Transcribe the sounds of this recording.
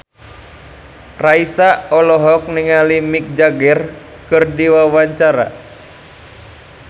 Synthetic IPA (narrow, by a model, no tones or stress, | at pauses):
raisaɔlɔɦɔk̚niŋalimik̚d͡ʒaɡɛr | kɨrdiwawaɲt͡ʃaɾa̰